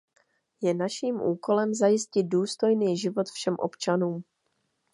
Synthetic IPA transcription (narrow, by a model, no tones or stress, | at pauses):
jɛnaʃiːmʔuːko̞lɛmzajɪscɪd̪̚duːst̪o̞jniːʒɪvo̞t̪fʃɛmʔo̞̰pt͡ʃanuːm